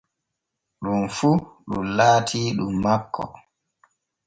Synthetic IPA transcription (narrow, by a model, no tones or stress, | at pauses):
ɗunfuɗṵmlaːtʰiːɗumːakːɔ̰